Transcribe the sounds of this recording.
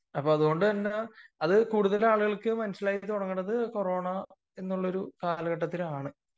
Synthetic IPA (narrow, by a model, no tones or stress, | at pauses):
ɐpːo̞ːɐðuɣo̞ɳɖɨt̪ɐnːeɐðɨkuːɽuðɐlaːɭuɣɐɭkɨmɐnɐɕːɐlaːjit̪ːoɽɐŋːɐɳɖɐðɨko̞ro̞ːɳɐ | e̞nːuɭːɐo̞ɾukaːlɐɣɐʈːɐt̪ːilaːɳɨ